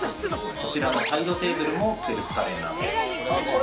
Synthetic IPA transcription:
ko̞t͡ɕiɾanosaid̪o̞t̪e̞ːbɯ̟ɾɯ̟mo̞t̪eɾɯ̟sɨ̥kaɾenã̰nd̪es

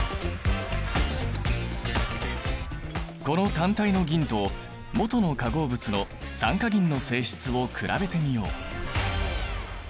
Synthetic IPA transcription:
ko̞no̞t̪ãnt̪aino̞ɡʲĩnt̪o̞ː | mo̞t̪o̞no̞kaɡo̞ːbɯ̟t͡sɨno̞ | sãŋkaɡʲĩnːo̞se̞ːɕi̥t͡sɨβo̞kʰɯ̟ɾʔa̰be̞t̪e̞mʲijo̞̰ː

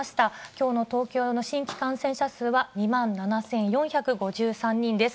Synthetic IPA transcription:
aɕi̥t̪akʲo̞ːno̞t̪o̞ːkʲo̞ːno̞ɕĩŋkʲi̥kãsẽɕasɨːβaɲ̟imãnnanasẽ̞ɰ̃jõ̞ɰ̃çʲakɯ̟ɡo̞ʑɨːsãɲ̟ːĩnd̪e̞sɨ̥

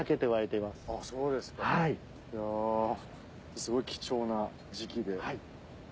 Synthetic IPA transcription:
ake̞t̪eɯβaet̪e̞imasɨ̥aso̞ːd̪e̞sɨ̥kahai | jaː | sɨɡo̞ikʲi̥t͡ɕo̞ːna | d͡ʑikʲid̪e̞hai

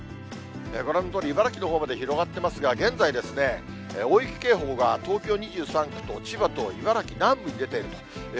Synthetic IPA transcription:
eko̞ɾe̞no̞t̪oːɾʲiːbaɾakʲino̞ɦo̞ːmad̪e̞çiɾo̞ɡat̪ːe̞masɨɡaɡẽ̞nd͡zaid̪e̞sɨne̞ | oːikʲi̥ke̞ːɦo̞ːɡat̪o̞ːkʲo̞ːɲ̟iʑɨːsãŋkɯ̟̥t̪o̞t͡ɕibat̪o̞ibaɾakʲinãmbɯ̟ɲ̟id̪e̞t̪e̞iɾɯ̟t̪o̥

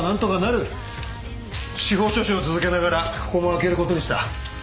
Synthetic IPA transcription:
nãnt̪o̞kanaɾɯ̟ | ɕiɦo̞ːɕo̞ːɕiot͡sɨzɨke̞naɣaɾaɸɯ̥komoake̞ɾɯ̟ko̞t̪o̞ɲ̟iɕi̥t̪a̰

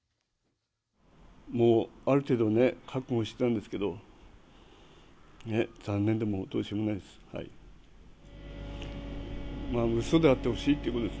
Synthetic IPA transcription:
moːaɾɯ̟t̪e̞ːd̪o̞nekʰakoɕi̥t̪et̪ãnd̪esɨ̥ke̞d̪o̞ | ne̞z̥ãnːẽ̞nd̪e̞mo̞t̪oːiɕomonaid̪esɨ̥ha̰ḭ | maːmɯ̟so̞d̪e̞at̪ːe̞ho̞ɕiːt̪ːeiɯ̟kot̪od̪s

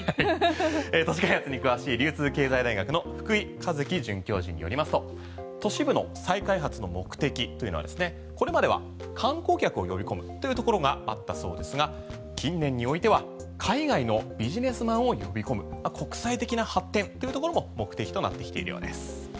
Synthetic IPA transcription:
aiet̪oɕ̬i̥kaihat͡sɨɲ̟ikɯ̟βaɕiːɾʲɨːt͡sɨːke̞ːzaid̪aiɡakɯ̟no̞ɸɯ̟̥kɯ̟ikazɨkʲiʑɨ̃ŋkʲo̞ːʑḭ̃ɲ̟ːijo̞̰ɾimasɨ̥t̪o̞ | t̪o̞ɕibɯ̟no̞̰saikaiɦat͡sɨno̞mo̞kɯ̟̥t̪e̞kʲit̪o̞iɯ̟no̞a̰d̪e̞sɨne̞ | ko̞ɾe̞mad̪e̞βa̰ | kʰãŋko̞ːkʲakɯ̟o̞jo̞bʲiko̞mɯ̟t̪ːo̞jiɯ̟t̪o̞ko̞ɾo̞ɡaa̰t̪ːaso̞ːd̪e̞sɨɡa | kʲʰĩnːẽ̞ɲ̟ːio̞it̪e̞β̞a | kʰaiɡaino̞bʲiʑine̞sɨmãɰ̃o̞jo̞bʲiko̞mɯ̟makʰo̞kɯ̟̥sait̪e̞kʲinahat̪ːẽ̞nt̪o̞jiɯ̟t̪o̞koɾo̞mo̞mo̞kɯ̟t̪e̞kʲi̥t̪o̞na̰t̪ːe̞kʲi̥t̪e̞ḭɾɯ̟jo̰d̪e̞sɨ̥

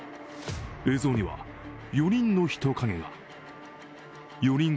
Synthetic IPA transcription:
eːzo̞ːɲ̟iβa̰ | jo̞ɾʲĩnːo̞çi̥t̪okʰaŋeŋa̰ | jo̞ɾʲĩŋ

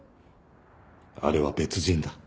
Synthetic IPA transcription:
a̰ɾe̞βabe̞t͡sɨʑĩnd̪a

